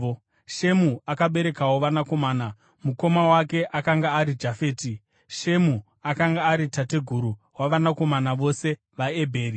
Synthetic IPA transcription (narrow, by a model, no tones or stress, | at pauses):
ʃe̞muakaɓe̞ɾe̞kawoʋanako̞maːna | muko̞mawake̞ʔakaŋɡaːɾid͡ʒafe̞ːti | ʃe̞mu | akaŋɡaːɾitate̞ɡʱuɾuɦwaʋanako̞manaʋo̞se̞ | ʋae̞bʱe̞ːri